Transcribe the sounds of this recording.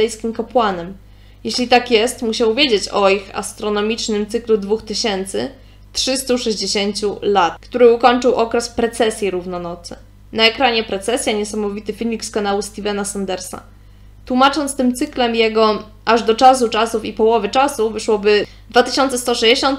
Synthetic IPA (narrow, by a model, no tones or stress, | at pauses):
ɛjskʲimkɔpwanɛm | jeɕlʲit̪akjɛst̪muɕawvʲjed͡ʑet͡ɕɔixa̰st̪ɾɔnɔmʲit͡ʂnɘmt̪sɘklud̪vuxt̪ɘɕɛnt̪sɘ | tʂɘst̪uʂɛʑd͡ʑeɕeɲt͡ɕulat̪̚kt̪uɾɘukɔɲt͡ʂɘwʔɔkɾɛspɾɛt̪sɛsʲjiɾuvnɔnɔt̪sɘ̰ | naɛkɾaɲɛpɾɛt̪sɛsʲjaɲɛsamɔvʲit̪ɘfʲilʲmʲikskanawust̪ivɛnasand̪ɛɾsa̰ | t̪wumat͡ʂɔnt̪st̪ɘmt̪sɘklɛmjɛɡɔ | ʔaʐd̪ɔt͡ʂas̬ut͡ʂasufipɔwɔvɘt͡ʂasuvɘʂwɔbɘ | d̪vat̪ɘɕɔnt̪sɛst̪ɔʂɛd͡ʑeɕɔ̃nt̪̚